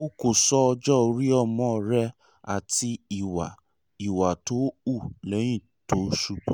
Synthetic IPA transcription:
o˦ko˦˨sɔ˦ɔ˧d͡ʒɔ˦o˧ɾi˦ɔ˦˧˨mɔ̃˨˦˨ɾɛ˧˦ | a˨ti˧i˨wa˨ | i˨wa˨to˨˦u˦˨lɛ˨˦j̃ĩ˦˨ | to˨˦ʃu˧˦k͡pũ˦

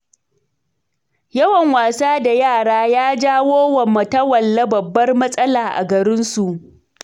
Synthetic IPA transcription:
jɐ˦wɐ˨ŋwaː˨saː˦da˨jaː˦˨ɽaː˦jaː˦d͡ʒaː˦woː˦wɐ˨mːɐ˨tɐ˦wɐ˨lːɐ˦bɐ˨bːɐ˦rmɐ˦sʼɐ˦laː˨ʔa̰˨ɡɐ˨ɾɪ˦nsu˨ʔ

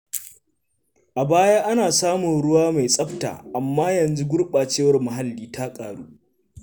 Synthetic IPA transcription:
ʔa˨baː˦jaː˦ʔa˦naː˨saː˦mʊ˨nɽʊ˦waː˦ma˨jsʼɐ˦ɸta̰ː˨ʔa˨mːaː˦jɐ˨nzu˦ɡʷʊ˦rɓaː˨t͡ʃeː˦wɐ˨˦rmʊ˨ɦa˦lːiː˦ta˦kʼaː˨ɽuː˦

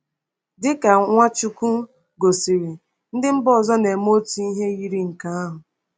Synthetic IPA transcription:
dɪ˦ka˨ŋʷa˦t͡ʃu˦ku˦ | ɡo˨si˨ɾi˨ | n̩˦dɪ˦m̩˦bɔ˦˨zɔ˦ne˨mo˦tu˦i˦ɦe˦ɣi˦ɾi˦ŋ̩˨ka˦a˦ɦʊ˨

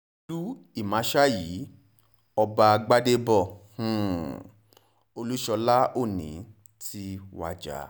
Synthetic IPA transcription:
du˦i˦˨mã˨˦ʃa˦ji˨˦ | ɔ˧ba˧ɡ͡ba˦de˦bɔ̃˦˨˦ | o˧lu˦ʃɔ˧la˦o˦˨nḭ̃˨˦ | ti˧˦wa̰˧d͡ʒa̰˨˦

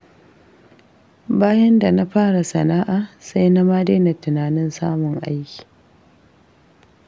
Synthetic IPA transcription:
baː˦jɐ˦nda˨na˦ɸaː˦ɽa˨sɐ̰˨naː˦ʔaː˨sa˦jna˦maː˦deː˦na˨tʊ˨naː˨nɪ˦nsa̰ː˦mʊ˨ŋʔa̰˦jkʲi̥ː˨

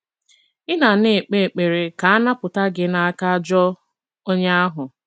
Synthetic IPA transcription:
ɪ˦na˨ne˨e˨k͡pe˦˨e˨k͡pe˨ɾe˨ka˨a˦na˦pʊ˨ta˦ɡɪ˦na˦a˦ka˦d͡ʒɔ˦ | o˦ɲe˦a˦ɦʊ˨

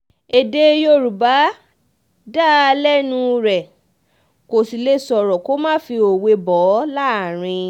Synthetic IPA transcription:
e˨de˧˦jo˧ɾu˨ba˨˦ | da˦˧lɛ˦nũ˧ɾɛ˨ | ko˨si˨le˧sɔ˨ɾɔ˨ko˦mãː˦fi˧o˨we˧bɔ˨˦la˦˨ɾ̃ĩ˧

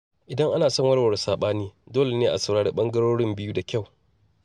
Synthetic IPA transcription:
ʔɪ˨dɐ˦ŋʔa˦naː˨sɔ˦ŋwɐ˦ɽwɐ˨ɽsaː˨ɓaː˦niː˦doː˦le˨neː˦ʔa˨sɐ˨wɽaː˦ɽḭ˦ɓɐ˦ŋɡɐ˦ɽoː˦ɽɪ˦mbɪ˦juː˦da˨kʲa˦˨w

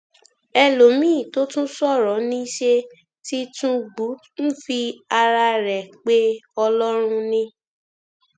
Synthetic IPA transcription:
ɛ˧lo˨mĩː˦˨to˦tũ˦sɔ˦˨ɾɔ˨˦nĩ˦i˦ʃe˧ | ti˦tũ˦ɡ͡bu˨˦ | ñ̩˦fi˧a˧ɾa˧ɾɛ˨k͡pe˦ɔ˧lɔ˦ɾ̃ũ˧nĩ˦

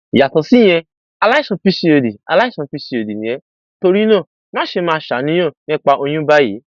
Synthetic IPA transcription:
ja˨tɔ˨si˦j̃ɛ̃˧ | a˧la˦sɔ̃˧pi˦si˧o˨di˨a̰˧la˦i˦sɔ̃˧pi˧˦si˧o˨di˨nĩ˨jɛ˨˦ | to˧ɾi˦nã˦˨ | mãː˦ʃe˧mãː˧ʃa˨˦nĩ˧˦ɔ̃˦˨nɛ̃˦k͡pa˧ʔo˧j̃ũ˦ba˦jḛ˨˦

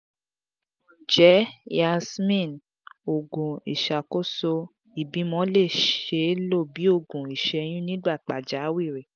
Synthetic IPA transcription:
d͡ʒɛ˨˦a˧smĩ˦˨n | o˨ɡũ˨ḭ˨ʃa˨ko˦so˧ | i˨bĩ˨˦mɔ̃˧˦le˦˨ʃe˧˦lo˦˨bi˨˦o˦˨ɡũ˨i˨ʃɛ˧j̃ĩ˦nĩ˦ɡ͡ba˦˨k͡pa˨d͡ʒa˨˦wi˦˨ɾe˨

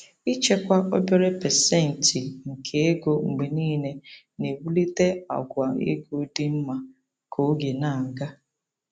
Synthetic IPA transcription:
i˦t͡ʃe˦kʷa˦o˦be˦ɾe˦pɛ˨sɛ˦˨n̩˨ti˨ŋ̩˨kʰe˦e˦ɡo˦ŋ͡m̩˨ɡ͡be˨niː˦ne˨ | ne˨bu˦li˦te˦a̰˨ɡʷa˨ḛ˦ɡo˦dɪ˦m̩˦ma˨ | kʰo˨˦ɡe˨na˨ŋ̩˨ɡa˦

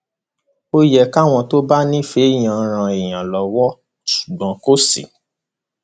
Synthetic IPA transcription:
o˧jɛ˨ka˦˨w̃ɔ̃˧to˦ba˦nĩ˦fe˨˦˨j̃ã˨˧ɾ̃ã˧e˨j̃ã˨lɔ˨˦wɔ˦ | su̥˨ɡ͡bɔ̃˨˦ko˦sḭ˨

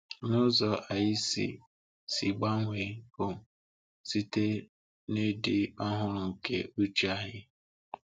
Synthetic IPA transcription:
nʊ˦zɔ˨ʔa˨jɪ˦sḭ˨ | si˨ɡ͡ba˦ŋʷe˨ʊ˨ | si˦te˦ | ne˦dɪ˦ɔ˦ɦʊ˦ɾʊ˨ŋ̩˨kḛ˦u˦t͡ʃi˦a˦ɦɪ˦

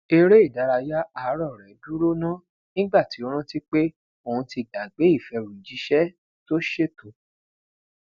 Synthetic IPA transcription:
e˧ɾe˦i˦˨da˨˦ɾa˧ja˦a˨˦ɾɔ˦˨ɾɛ˨˦du˦ɾo˦nã˦ | nĩ˦ɡ͡ba˦˨ti˨˦o˧˦ɾ̃ũ˦ti˦k͡pe˦ | o˦˨ũ˧ti˧ɡa˨ɡ͡be˨˦i˦˨fɛ˧ɾu˨i˨d͡ʒi˨˦ʃɛ˦ | to˦ʃe˦˨to˨˦

